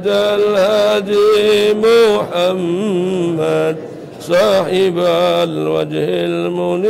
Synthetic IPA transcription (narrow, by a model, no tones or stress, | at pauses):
d̪alhaːd̪imʊħamː | ad̪ | sˤɑːħɪbalwa̰d͡ʒhɪlmʊn